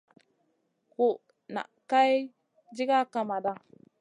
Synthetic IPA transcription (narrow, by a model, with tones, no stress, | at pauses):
ku˨ʔ | na̰˨ʔka˦j | d͡ʒi˦ɡa˦ka˨ma˨da˦